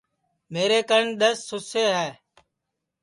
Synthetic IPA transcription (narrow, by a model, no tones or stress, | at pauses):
meːɾeːkəɾɳɗ̪əsːʊseːɦɛː